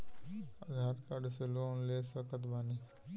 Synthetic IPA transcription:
ad̪ʱaɾkaɽseloonlesəkət̪bani

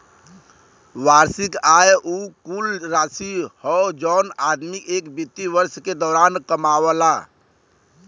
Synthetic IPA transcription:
ʋaɾsikajʔukulɾaːsihɔd͡ʒɔːnad̪mikeːkbit̪ːiʋəɾsked̪ɔːɾaːnkəmawəla

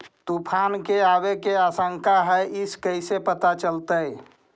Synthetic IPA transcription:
t̪upʰankeabekeasə̃ŋkaɦɛiskəɪsepət̪at͡ʃəlt̪əj

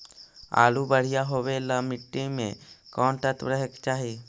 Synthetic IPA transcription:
a̰ːlubəɽ̤ijaɦoweləmɪʈːimḛ̃kɔːɳʈ̪ət̪ɾəɦekt͡ʃaːɦie

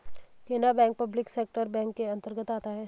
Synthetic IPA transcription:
keːnabɛ̃ːŋk̚pɐblɪkseːk̚ʈəɾbɛ̃ːŋkːeɐ̃nt̪əɾɡət̪aːt̪aɦɛː

